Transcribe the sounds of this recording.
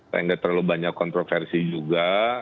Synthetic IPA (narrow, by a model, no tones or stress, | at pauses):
sa̰jaŋɡat̪ərlalubaɲakːɔnt̪ɾofɛrsid͡ʒuɡa